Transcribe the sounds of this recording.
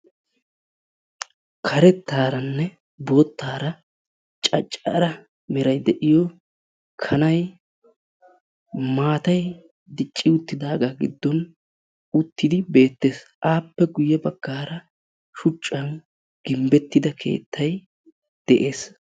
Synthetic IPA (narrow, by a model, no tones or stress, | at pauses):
kʰɐɾɛt̪ːaːɾɐnːɛ | boːt̪ːaːɾɐ | t͡ʃʼɐt͡ʃʼːɐɾɐ | mɪɾɐjd̪ɛʔɪjɔ | kʰɐnɐj | maːt̪ɐj | d̪ɪt͡ʃʼːɪʊt̪ːɪd̪aːɡaːɡɪ̰d̪ːɔn | ʊt̪ːɪd̪ɪbe̞ːt̪ːe̞ːsʔaːpːɛɡʊjːɛbɐɡ̥ːaːɾɐ | ʃʊt͡ʃʼːɐn | ɡ̥ɪmbɛt̪ːɪd̪ɐkʰe̞̰ːt̪ʰːɐj | d̪̥ɛʔe̞ːs